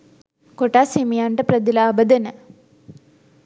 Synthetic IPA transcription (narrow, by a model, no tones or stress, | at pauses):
koʈːaːsemijaːɳɖɐpɾɐd̪ilaːbɐd̪ɐnɐ